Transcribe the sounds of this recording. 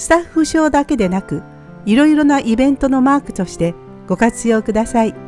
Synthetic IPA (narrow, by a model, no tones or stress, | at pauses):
sɨ̥t̪aɸːɯ̟ɕo̞ːd̪ake̞d̪e̞nakɯ̟ | iɾo̞iɾo̞naʔibẽ̞nt̪o̞no̞maːkɯ̟̥t̪o̞ɕi̥t̪e̞ | ɡ̥o̞kat͡sɨjo̞ːkɯ̟d̪asai